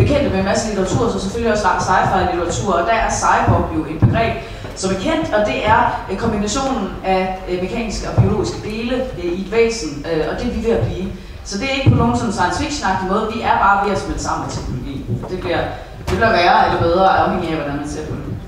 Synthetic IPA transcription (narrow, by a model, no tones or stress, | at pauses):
b̥e̝kʰen̰d̥əmenmæsəlit͡sʰɐʁɑ̈t͡sʰṵɐ̰sɒ̽mseføljiɒ̽sɑ̥sɑ̈ɪfɑ̈ɪlit͡sʰɐʁɑ̈t͡sʰṵɐ̰ɒ̽d̥æʔæɐsɑ̈ɪbɒb̥jo̝e̝n̥b̥e̝ɡ̥ʁɛ̰ːb̥ | sɒ̽mæɐkʰen̰d̥ɒ̽d̥e̝ʔæɐkʰɒ̽mb̥inæɕo̝̰ːnn̩æme̝kʰɛ̰ːnisɡ̥əɒ̽b̥io̝lo̝̰ːisɡ̥əd̥e̝ːləid̥ʋḛːsn̩øɒ̽d̥e̝ʋiʋe̝æb̥liː | sɒ̽d̥e̝æe̝ɡ̥əpʰɒ̽noːŋn̩sɒ̽nn̩sɑ̈ɪnsfiɡ̥ɕonɑ̈ɡ̥dimɔ̽ːð̞̩ˠdʋiæɐb̥ɑ̈ːʋ̥eɐ̰sɒ̽mensɑ̈m̰n̩met͡sʰeɡ̥no̝lo̝ɡ̥ḭːn̩d̥e̝b̥liɐ̰ | d̥eb̥løɡ̥ɐjaeləb̥eð̞ˠʁɐɒmheŋæʋæd̥ænɐme̥t͡sʰe̝ɐ̰pʰɒde